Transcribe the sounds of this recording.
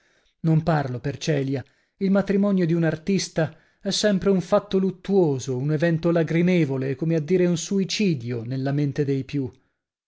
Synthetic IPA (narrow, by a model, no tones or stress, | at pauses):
nomparlopert͡ʃɛːlja | ilmat̪ɾimɔnjod̪iunart̪ist̪a | ɛsːɛmpɾeuɱfat̪ːolut̪ːuoːzounevɛnt̪olaɡɾimeːvolekomead̪ːiːɾeunsuit͡ʃiːd̪jonelːament̪ed̪ejpju